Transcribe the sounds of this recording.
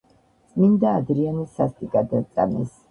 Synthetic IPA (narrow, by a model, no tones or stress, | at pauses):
t̪sʼmind̪aːd̪ɾianisːast̪ʼikʼad̪at̪sʼa̰mɛs